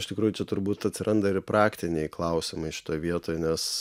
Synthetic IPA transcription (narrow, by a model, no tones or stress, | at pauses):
ɪʃʲt̪ʲɪkɾuːjʊt͡ʃʲɛt̪ʊɾbuːt̪ɐt̪ʲsʲɪɾʔɐnd̪ɐɪrpɾɑːkt̪ʲɪnʲɛɪklˠɐʊsʲɪmɐɪʃʲɪ̥t̪oːjʋʲiɛt̪oːjnʲɛs